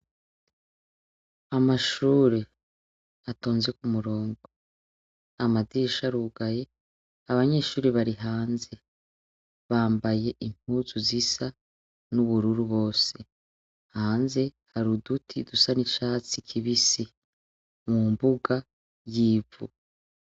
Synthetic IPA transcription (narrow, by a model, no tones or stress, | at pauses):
amaʃuːɾe | ato̞ːnze̞kumuɾo̞ːŋɡo | amadiːʃaɾuɡaje̞ | aβaɲe̞ːʃuːɾiβaɾiɦaːnze̞ | βaːmbaje̞ʔim̥uzuzisa | nuβuɾuɾuβo̞ːse̞ | haːnze̞haɾudutʰidusanit͡ʃaːt͡sikʰiβisi | mumbuɡa | jiːvṵ